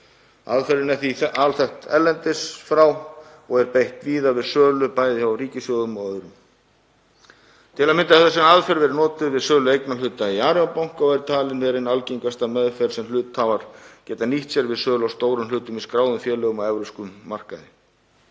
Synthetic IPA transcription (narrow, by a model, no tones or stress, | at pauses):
a̰ðfɛɾɪnɛθiθʔalθɛht̪ɛ̰ɾlɛnt̪ɪsfɾaw | ɔɣɛɾpejht̪viːðavɪðsœːlʏpaːjðɪçariːcɪsjɔwðʏmɔœɾʏm | t̪ʰɪlaðmɪnt̪aɛt̪ːasɛmaðfɛɾvɛɾɪnɔːt̪ɪðvɪðsœːlʏejknalʏːt̪aiaːɾɪapawŋ̥kawɛɾt̪ʰaːlɪnvɛɾɪnalciŋkast̪amɛðfɛɾ̥sɛmlʏːt̪haːvaɾ̥cɛːt̪aniht̪sjɛɾvɪðsœːlawst̪oːwɾʏmlʏːt̪ʏmiskɾaːwðʏmfjɛːlœɣʏmawɛvɾʏwskʏmːar̥kaðɪ